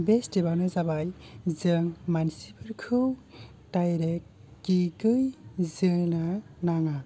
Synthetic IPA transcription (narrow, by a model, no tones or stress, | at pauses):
bestebawnɯzabajzɯŋmansipɯɾkʰɯw | tajɾekː | ikɯjzɯnanaŋa